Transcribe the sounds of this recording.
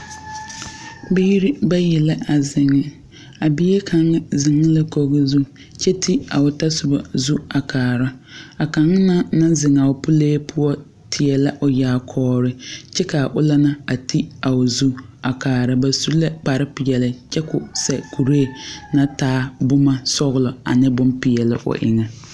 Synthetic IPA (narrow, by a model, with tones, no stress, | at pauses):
be˦i˦ɾi˦ba˦jɪ˨lɪ˦a˨zɪ˨ŋːɪ˦ | a˨bi˦e˦kʰa˨ŋɪ˦zɪ˨ŋɪ˦lɪ˦ko˨ɣɪ˦zu˦ | t͡ʃʰɛ˦tʰi˦a̰˨ʊ˨ta˦sʊ˨ba̰˨zu˦a˨kʰaː˨ɾa˦a˨ka˨ŋ˦na˦nã˦zɪ˨ŋ˨a˨ʊ˨pʊ˦leː˦pʰʊ˦ɔ˦ | tʰɪ˨ɛ˨la˦ʔʊ˨jaː˨˦kʰɔː˦ɾɪ˦t͡ʃɛ˦ka˨ʔʊ˦la˦na˦a˨tʰi˦a˨ʊ˨zu˦a˨kaː˨ɾa˨ba˨su˦lɛ˦k͡pa˨ɾɪ˦pɪ˨jɛ˨lɪ˨t͡ʃɛ˦kʊ˨sɛ˨kʰu˨ɾeː˦˨na˦taː˦bʊ˦ma˦sɔ˦ɣʊ˦lɔ˨a̰˨nɪ˦bʊ˦mpɪ˨jɛ˨lɪ˦ʔʊ̰˨ʔɪ̰˨ŋɛ˨